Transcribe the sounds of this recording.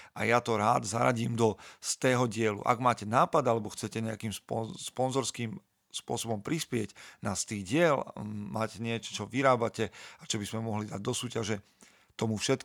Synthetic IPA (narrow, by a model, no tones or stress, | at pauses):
ʔajat̪ɔɾaːd̪za̰ɾa̰ɟiːmd̪ɔst̪ɛːɦɔɟɪɛlṵʔa̰ɡmaːcɛnaːpad̪alɛbɔxt͡sɛcɛɲɛakiːmspɔspɔnzɔɾskiːm | spʊɔsɔbɔmpɾispɪɛɟnast̪iːɣɟɪɛlmaːcɛɲɪɛt͡ʃɔ̥t͡ʃɔʋiɾaːbacɛat͡ʃɔbizmɛmɔɦlid̪aɟ̚d̪ɔsuːcaʒɛ | t̪ɔmufʃɛt̪k